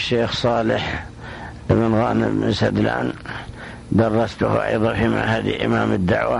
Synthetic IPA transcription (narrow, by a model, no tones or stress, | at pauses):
ʃːeːxsˤɑːlɪħ | ʔɪbɪnɣaːnɪbɪnsad̪la̰ːn | d̪ɑrˤːɑst̪ʊhʔɑ̰jðˤɑfima̰ʕhad̪ḭlʔɪ̰maːmɪd̪ːa̰ʕwa